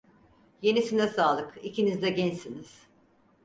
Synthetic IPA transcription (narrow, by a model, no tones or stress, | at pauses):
je̞nisinɛsaːlˠɯkicʰinizd̪ɛɟɛnsiniz̥